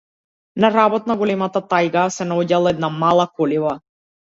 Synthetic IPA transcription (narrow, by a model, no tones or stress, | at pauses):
naɾabɔt̪naɡɔlɛmat̪at̪ajɡasɛnaɔɟalˠaɛd̪namalˠakɔliva